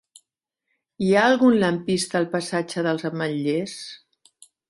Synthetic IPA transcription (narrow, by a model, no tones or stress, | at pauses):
iaəlˠɣunləmpist̪əːlˠpəsad͡ʒəðəlˠzəməʎːes